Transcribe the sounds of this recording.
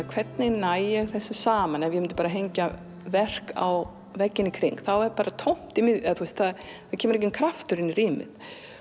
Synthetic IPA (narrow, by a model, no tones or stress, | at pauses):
kʰv̥ɛt̪nɪnajɛɣθɛsːʏsaːmanɛnvjɪmɪnt̪ʏpaːɾaɦejɲca | vɛr̥ka̰w | vɛcːɪnːɪkʰɾḭŋkθawɛɾpaːɾat̪ʰowm̥t̪ɪmɪðθuɛst̪θaðθaðcʰɛːmʏɾɛc̬ɪmkʰɾaft̪ʏɾɪnːɪriːmɪ̰ð